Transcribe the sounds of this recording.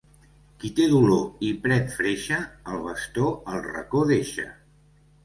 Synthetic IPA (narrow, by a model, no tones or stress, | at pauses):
kit̪eðuloipɾɛt̪fɾeʃəəlˠβəst̪oəlˠrə̰koðeʃə̰